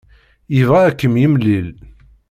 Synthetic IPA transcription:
ivʁæækːəmjimlːil

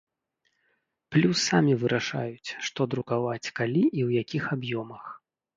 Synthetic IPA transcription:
plʲusːamʲivɨɾʔaʂa̰jut͡sʲʂt̪ɔd̪ɾukavat͡sʲkalʲiʔiwjakʲixabjɔmɐx

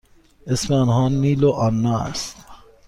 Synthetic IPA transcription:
esmeɑnhɒːniːloʔɒnːɒːæ̰st̪

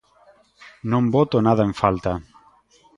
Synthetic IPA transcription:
nõmbot̪onað̞aeɱfalt̪a

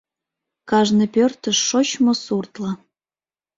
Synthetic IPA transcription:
kɑʒnɤpʲørt̪ə̆ʃːoɕmosurt̪lɑ

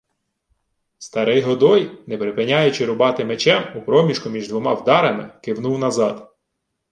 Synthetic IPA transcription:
st̪ɐɾɪjɦɔd̪ɔjnɛpɾɪpɪnʲajʊt͡ʃɪɾʊbɑt̪ɪmet͡ʃɛmupɾɔmʲiʃkʊmʲiʒd̪ʋɔmɑwd̪ɑɾɐmɪkɪwnuwnɐzɑd̪

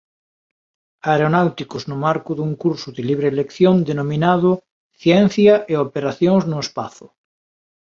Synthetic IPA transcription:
aeɾonawt̪ikʊznʊmaɾkʊðuŋkuɾsʊðɪliβ̞ɾelekθjond̪enominaðʊ | θjɛn̟θjɐʔeopeɾaθjoŋznʊespa̰θʊ

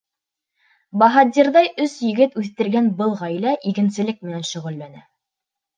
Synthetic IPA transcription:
bɑɦɑd̪ʲiɾðɑjɵsjɘ̆ɡɘt̪ʉθt̪ɘ̆ɾɡænbɤlˠʁɑjlæʔikɘ̆nsɘ̆lɘk̚mɘ̆nænʃɵ̆ʁɘ̆lːænæ

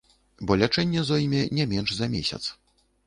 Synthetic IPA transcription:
bɔlʲat͡ʂɛnʲːɛzɔjmʲɛnʲɛmʲɛnʐzɐmʲesʲɐ̰t̪s

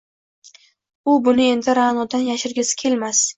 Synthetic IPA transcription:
ʊbʊnɪe̞nd̪ɪɾanɒd̪anjaʃɪɾɡʲasɪ̥kʲʰe̞lmas

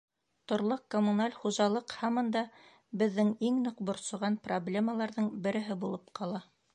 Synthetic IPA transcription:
t̪ŏɾlˠɤqkomunalʲχuʒɑlˠɤqhɑmɤnd̪ɑ | bɘ̆ðːɘŋiŋnɤqbŏɾsŏʁɑnproblʲeməlˠɑɾðɤɴbɘ̆ɾɘ̆ɦɘbulˠɤpqɑlˠɑ

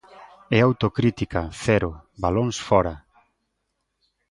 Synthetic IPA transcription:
ɛawt̪okɾit̪ikaθɛɾʊbaloŋsfɔɾa

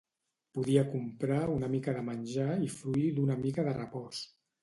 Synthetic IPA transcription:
puðiəkumpɾaunəmikəðəmənʲʒaifɾuiðunəmikəðərəpɔs

